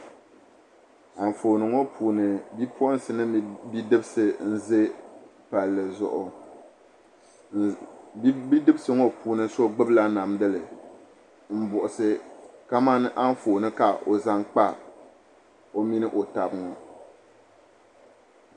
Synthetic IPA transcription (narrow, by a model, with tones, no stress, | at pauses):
a˨ɱ˨fo˨nɨ˨ŋo˦pʰuː˨nɨ˨bi˦pʰo˦n˦sɨ˨nɨ˦bi˦dɨ˦bɨ˦sɨ˨n̩˦zɨ˦pa˨lːɨ˨zʊ̰˨ʔʊ˨˦ | bi˦dɨ˦bɨ˦sɨ˨ŋo˦pʰuː˨nɨ˨so˦ɡ͡bɨ˦bla˦na˨mdɨ˦lɨ˨ | m̩˦bʊ˨ʔʊ˨sɨ˦ka˦ma˦nɨ˦ʔa˦ɱ˦foː˨nɨ˦ka˨ʔo˨za˦ŋk͡pa˦ | o˦mi˦nɨ˦ʔo˨ta˨bɨ˦˨ŋɔ˨